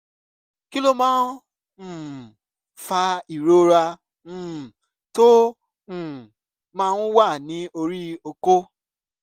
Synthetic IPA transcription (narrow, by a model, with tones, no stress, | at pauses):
ki˦lo˦mãː˦˨ | fa˧i˨ɾo˦ɾã˧˨ | tõ˦˨ | mã˦˧˦ũ˦wa˦˨nĩ˨˦o˧ɾi˦o˧ko˦